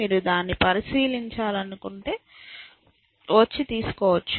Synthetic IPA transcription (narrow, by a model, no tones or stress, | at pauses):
iːɾud̪aːnːipɐɾisiːliɲt͡ʃaːlɐnukuɳʈe̞ː | ʋɐt͡ʃːit̪iːsu̥kɔːʋɐt͡ʃː